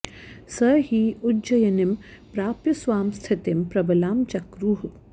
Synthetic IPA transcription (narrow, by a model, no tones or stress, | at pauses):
sɐɦiːudd͡ʒɐjɐnimpɾaːpjɐsʋaːmst̪ʰɪt̪empɾɐbɐlaːmt͡ʃɐkɾuːɦ